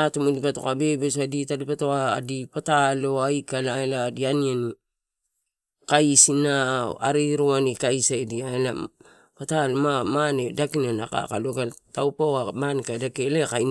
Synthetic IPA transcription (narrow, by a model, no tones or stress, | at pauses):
atomodipatokabe̞bes̬aditadipatoadipataloajkalaeladianiani | kaisinaaɾiɾoanikaisaediaela | patalomamanedakinanaka̰ka̰loɡatawpaamanekadakelekaj